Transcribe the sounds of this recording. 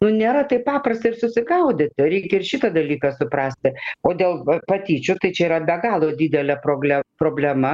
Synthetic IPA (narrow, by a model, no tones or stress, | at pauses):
nʊnʲeːɾɐt̪ɐɪpɑːprɐsʲt̪ɐɪrsʊsʲɪɡɐʊd̪ʲet̪ʲɾʲɛɪkʲɛɪɾʃʲit̪ɐd̪ɐlʲiːkɐsʊpɾɑːsʲt̪ʲɪoːd̪ʲeːlˠpɐt̪ʲiːt͡ʃʲʊt̪ɐɪt͡ʃʲɛiːɾɐbʲɛɡɑːlˠod̪ʲiːd̪ʲɛlʲɛpɾoːɡʲlʲɛpɾoːbʲlʲɛmɐ